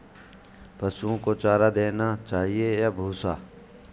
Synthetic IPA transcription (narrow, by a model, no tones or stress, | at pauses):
pəsuõkot͡ʃaːɾad̪eːnat͡ʃaːɦiejaːbʱuːsaː